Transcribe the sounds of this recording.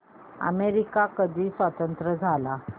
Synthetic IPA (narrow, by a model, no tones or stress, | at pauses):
ə̰meɾikakəd̪ʱiːsʋat̪ənt̪ɾəd͡zʱala